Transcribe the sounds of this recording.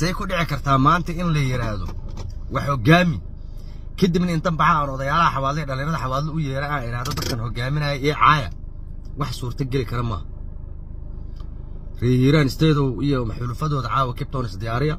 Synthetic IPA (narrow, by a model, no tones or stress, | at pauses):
sɛjkʰʊɖɪʕɪkʰɐrt̪ʰaːmaːnt̪ʰɐɪnlɐjɪɾaːðɔ̰wʔɑħɔɡaːmɪn | kʰɐd̪ibnɐɪnt̪ʰɐmbɑħɑnɔðɐjaːlɐɦɐħɑwaːd̪lːɛɖɐliːɾɐðɐħɑwaːlːɐʊjɛːɾɛaːɪɾaːhðɔd̪ɐd̪̚kʰɐnhɔɡaːmɪnɐjɛjɛːʕɑ̰ːjɐ̰ | wɑħsuːrt̪ʰɐɡɛlɪkʰɐɾɐmɐ̰ːhɐ | riːjiɾaːnɪst̪ʰɛːðɔwijɔmɐħlufɐðɔːðɐʕɑːwɐkʰɪp̚t̪ʰɔnɪsd̪ɪjaːɾɪjɐ